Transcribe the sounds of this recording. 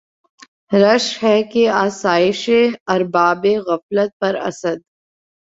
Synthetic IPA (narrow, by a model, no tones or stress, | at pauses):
ɾɐʃɦɛkeaːsaːɪʃeɐɾbaːbeɣɐflət̪̚pɐɾɐ̰səd̪̚